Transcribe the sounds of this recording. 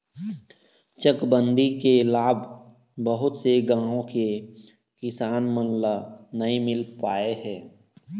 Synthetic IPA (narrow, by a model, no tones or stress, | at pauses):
t͡ʃəkbə̃nd̪ʱikelaːb | bəɦʊt̪seɡãːõke | kɪsaːnmənlanɐĩmɪlpaːeɦɛː